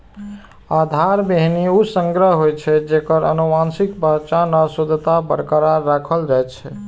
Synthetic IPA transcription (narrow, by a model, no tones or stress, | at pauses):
ad̪ʱaɾbeɦniusə̃ŋɡɾəɦɦojt͡ʃʰɛd͡ʒekəɾə̰numansikbət͡ʃanəsod̪ʱt̪abə̰ɾkəɾaːakʰəld͡ʒajt͡ʃʰɛ